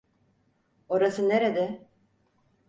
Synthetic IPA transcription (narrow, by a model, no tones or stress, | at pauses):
oɾasɯneɾed̪ɛ